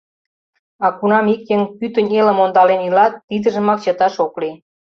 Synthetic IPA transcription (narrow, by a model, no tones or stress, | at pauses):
ɑkunɑmikjeŋpyt̪ə̆nʲelə̆mond̪ɑlenilɑt̪ːid̪ə̆ʒə̆mɑk̚t͡ɕə̆t̪ɑʃokli